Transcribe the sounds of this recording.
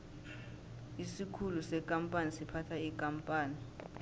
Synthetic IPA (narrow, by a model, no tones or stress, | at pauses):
isikʰulusɛkʼampʼanisipʰatʰaikʼampʼaːni